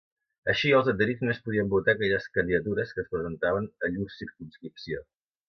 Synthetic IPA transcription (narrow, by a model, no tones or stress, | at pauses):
əʃiəlˠzət̪əɾizməspuðiəmbut̪akɛʎəskənd̪iðət̪uɾəskəspɾəzənt̪aβənəʎussiɾkunskɾipsio